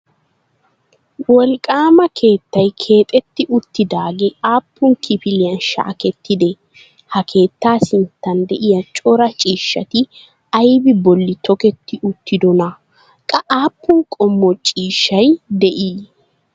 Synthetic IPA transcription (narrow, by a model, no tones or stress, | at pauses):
wɔlkʼaːmɐkʰe̞ːt̪ːɐjkʰe̞ːt̪ʼɛt̪ːɪʔʊt̪ːɪd̪aːɡɛʔaːpːʊnkʰɪpɪlɪjɐnʃa̰ːkɛt̪ːɪd̪ɛ | hɐkʰe̞ːt̪ːaːsɪnt̪ːɐnd̪ɛʔɪjɐt͡ʃʼɔɾɐt͡ʃʼiːʃːɐt̪ɪ | ɐjbɪbɔlːɪt̪ɔkɛt̪ːɪʔʊt̪ːɪd̪ɔnɐ | kʼɐʔaːpːʊnkʼɔmːɔt͡ʃʼiːʃːɐjd̪ɛʔiː